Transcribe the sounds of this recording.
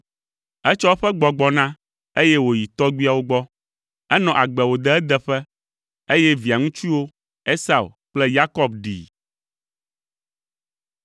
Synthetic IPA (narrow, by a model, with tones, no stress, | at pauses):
ɛ˦t͡ʃɔ˦wo˦ɸɛ˦ɡ͡bɔ˨ɡ͡bɔ˨nã˦ | e˦jɛ˦wo˨ji˨t̪ɔ˦ɡ͡bi˦a˦˨wo˦ɡ͡bɔ˦ | ɛ˦nɔ̃˨ʔa˨ɡ͡bɛ˨wo˨d̪ɛ˦ɛ˦d̪ɛ˨ɸɛ˦ | e˦jɛ˦vi˨a˨ŋũ˦t͡ʃi˦wo˦ | e˦sa˦˨ṵ˨k͡plɛ˦ja˦kɔ˦b̚ɖḭ˨